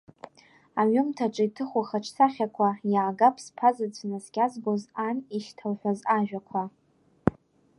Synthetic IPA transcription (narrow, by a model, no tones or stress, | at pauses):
aɥʊmtʰaʈ͡ʂʼɨitʰɨχʷaχaʈ͡ʂʰsʰaχʲakʷʰajaːɡapʰspʰazad͡zʷʰnazɡʲazɡozaniʃtʰawħʷᶣozaʒᶣʷakʷʰa